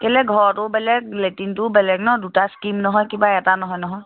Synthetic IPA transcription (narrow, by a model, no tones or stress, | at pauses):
kɛlɛɡʱɔɹɔtʊbɛlɛɡletintʊbɛlɛɡnɔdutaskimnɔɦɔjkibaɛtanɔɦɔjnɔɦɔj